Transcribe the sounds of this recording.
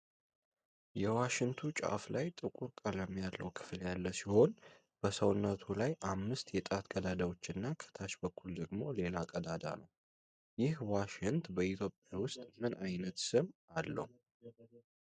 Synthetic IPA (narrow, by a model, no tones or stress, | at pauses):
jɛwaʃɪŋt̪ʰut͡ʃʼa̰flajt̪ʼɨkʼuɾkʼaləmːjalːə̰wkʰɨ̥fljalːəsiho̞n | b̥əsəwnːət̪ʰulajʔamːɨst̪jɛt̪ʼat̪kʼəd̪ad̪awo̞t͡ʃːɨnːakʰə̥t̪ʰaʃbəkʰːuld̪əɡmo̞le̞lakʼəd̪ad̪a̰nəw | jɪhwaʃɪŋt̪bəit̪ʰjo̞pʼjawʊst̪ʼmɨnajnət̪sɨmalːə̰hu